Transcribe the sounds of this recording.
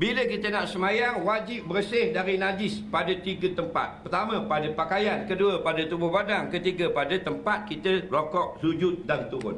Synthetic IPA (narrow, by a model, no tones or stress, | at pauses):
biləkit̪ənaʔsəmãjaŋwad͡ʒɪp̚bəɾəsɪhdaɾinad͡ʒɪspadət̪iɡət̪əmpa̰t̪̚ppərt̪amə̃padəpakajankəduəpadət̪ubʊhbadaŋkət̪iɡəpadət̪əmpat̪̚kit̪əlokɔʔ̚sud͡ʒʊt̪̚dant̪uɾʊ̰n